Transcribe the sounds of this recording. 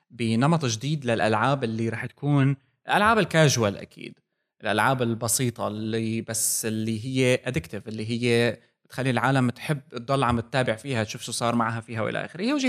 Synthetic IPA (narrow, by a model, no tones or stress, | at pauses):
bɪnɑmɑt̪ˤʒd̪iːd̪lalʔalʕaːbʔɪlːiɾˤɑːħt̪ḁkuːn | ɪlʔalʕaːbɪlkaːʒwalʔa̰kʰḭːd̪ | ʔɪlʔalʕaːbɪlbɑsiːt̪ˤɑlibasɪlːiɦɪjːeʔad̪ɪkt̪ɪvɪlːiɦɪjːe | ɪt̪xalːilʕaːlamt̪ħɪbːɨt̪̚d̪ːˤɑlːʕamɪt̪ːaːbɪʕfiːhaʃuːfʃusˤɑːɾˤmaʕɦafiːɦawʔɪ̰ʔa̰ʔa̰ːxɪɾwʒi